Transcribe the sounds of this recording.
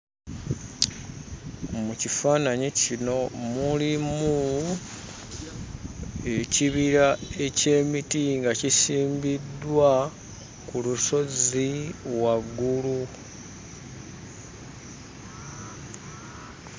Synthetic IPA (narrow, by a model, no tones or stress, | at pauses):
mucifaːnaɲicino̞mulimu | e̞ciβiɾae̞ce̞ːmitiŋɡacisiːmbidwa | kuluso̞ziwaɡːulu